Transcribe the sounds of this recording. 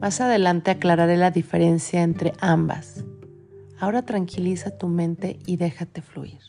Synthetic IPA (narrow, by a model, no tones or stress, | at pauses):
masaðe̞lant̪e̞aklaɾaɾe̞laðife̞ɾe̞nsjaent̪ɾe̞ʔamba̰s | ao̞ɾat̪ɾaŋkʰilisat̪umẽ̞nt̪e̞iðe̞xat̪e̞flṵiɾ